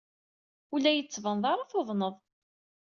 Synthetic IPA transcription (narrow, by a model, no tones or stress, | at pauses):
ulːæjət͡sːvənðˤɑɾˤɑθoðˤnəðˤ